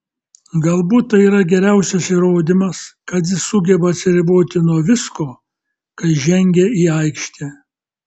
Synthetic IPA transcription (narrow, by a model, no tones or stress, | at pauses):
ɡɐlˠbuːt̪̚t̪ɐiːɾɐɡʲɛɾʲæˑʊsʲɛsiːɾoːd̪ʲɪmɐskɐt̪̬jɪssʊɡʲɛbɐɐt̪ʲsʲɪɾʲɪboːt̪ʲɪnuɔʋʲɪskoː | kɐɪʒʲɛŋʲɡʲɛiːɐɪkʃʲt̪ʲɛː